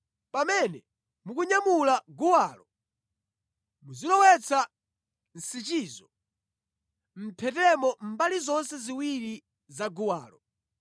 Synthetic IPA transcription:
pamɛnɛ | mukuɲamulaɡuwaːlɔ | muzilɔwɛt͡sʰa | n̩sit͡ʃiːzɔ | m̩pʰɛtɛmɔm̩balizɔnsɛziwiɾi | zaɡuwaːlɔ

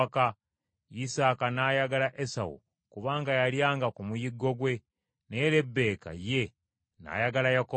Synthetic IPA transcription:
ka | isaːkanaːjaɡalaʔesa̰wṵ | kuβaːŋɡajaljaːŋɡakumujiɡːo̞ɡwe̞ | neɾe̞bːe̞ːka̰je̞ | na̰ːjaɡalajako

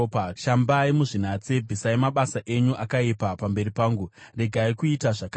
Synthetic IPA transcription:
paʃambaimuʐin̤at͡sebʱisaimaɓasaʔe̞ɲuʔakaipapambe̞ɾipaːŋɡure̞ɡʱaikuitaʐaka

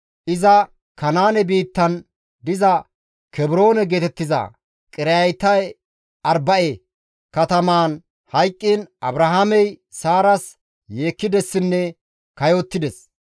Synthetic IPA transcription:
ʔɪzɐ | kɐnaːnɛbiːt̪ːɐn | d̪ɪzɐ | kɛbɾo̞ːnɛɡeːt̪ɛt̪ːɪzɐ̰ | kʼɪɾɐjt̪ːɐj | ʔɐɾbɐʔɛ | kɐt̪ɐmaːn | hɐjkʼːiːnʔɐ̰bɾɐɦamɛjsaːɾɐs | je̞ːkːɪd̪ɛsːɪnːɛ | kɐjot̪ːɪd̪ɛs

